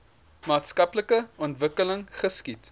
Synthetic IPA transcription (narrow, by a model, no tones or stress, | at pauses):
mɑːtskɐpləkəɔntvəkələŋχəskit